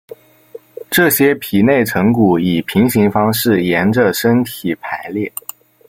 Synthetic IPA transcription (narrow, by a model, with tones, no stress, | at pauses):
ʈ͡ʂɤ˥˩ɕjɛ˥pʰi˨˩ne˥˩ɪʈ͡ʂʰɤ˧˥ŋku˨˩i˨˩pʰi˧˥ŋɕi˧˥ŋfɑ˥ŋʂɻ̩˥˩jɛ˧˥nʈ͡ʂə˧ʂə˥nt̪ʰi˨˩pʰa˧˥ɪljɛ˥˩